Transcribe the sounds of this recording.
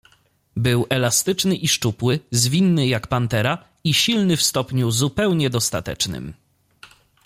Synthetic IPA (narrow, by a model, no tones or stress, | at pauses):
bɘwɛlast̪ɘt͡ʂnɘʔiʂt͡ʂupwɘzvʲinːɘjakpant̪ɛɾa | iɕilnɘfst̪ɔpɲuzupɛwɲɛd̪ɔst̪a̰t̪ɛ̰t͡ʂnɘ̰m